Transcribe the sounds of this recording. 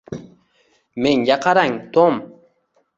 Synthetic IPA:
meŋjaqaɾaŋt̪om

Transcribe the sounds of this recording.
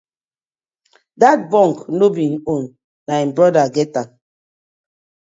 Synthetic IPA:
dat̚bɔ̃ŋknobĩnõn | naĩnbɹɔdaɡɛta

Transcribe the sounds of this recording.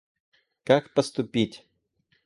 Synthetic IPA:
kakpəst̪ʊpʲitʲ

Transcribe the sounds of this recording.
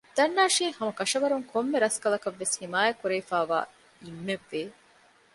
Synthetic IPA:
d̪̥ɐnːaːʃiːŋhɐmɐkɐʂɐʋɐɾuŋkʰomːeɾɐskɐlɐkɐʋːeshimaːjɐkuɾɐifaːʋa̰ː | imːeʋːeː

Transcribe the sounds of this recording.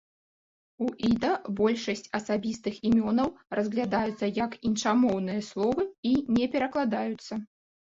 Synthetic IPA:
uʔid̪ɐbɔlʲʂɐsʲt͡sʲɐsabʲist̪ɨximʲɔnɐwrʔɐzɣlʲad̪ajut̪sːɐjɐkint͡ʂamɔwn̪ɨjɐslˠɔvɨinʲɛpʲɛɾɐklˠad̪ajut̪sːɐ

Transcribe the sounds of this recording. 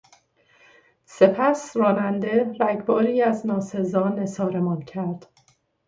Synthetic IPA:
se̞pʰæsrɒːnænd̪e̞ɾæɟbɒːɾiːæznɒːse̞zɒːne̞sɒːɾemɒːncʰæɾd̪̥

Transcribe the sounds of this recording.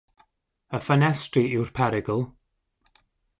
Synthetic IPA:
əfənɛstriɪwr̥pʰɛɾɪɡəlˠ

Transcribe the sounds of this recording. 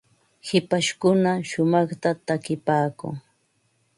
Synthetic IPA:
hɪpaʃkʊnaʃʊmɑχt̪at̪akɪpaːkʊ̰ŋ

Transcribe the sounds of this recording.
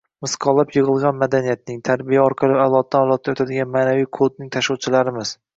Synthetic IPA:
mɪsqʰɒlapjɨʁɨlˠʁɑnmad̪anijat̪̚nɪŋt̪ʰaɾbijaɒɾqʰɑlˠɪawlˠɒt̪̚d̪aɒlˠɒt̪̚d̪aot̪ʰad̪ɪɡʲanmaːnavijkʰod̪̚nɪŋt̪ʰaʃɒwt͡ʃʰɪlaɾɪmɪz̥

